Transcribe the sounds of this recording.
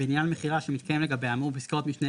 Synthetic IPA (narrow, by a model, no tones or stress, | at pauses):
enjalmeχiʁaʃemit̪kajemleɡabejamupiskeʁo̞t̪miʃne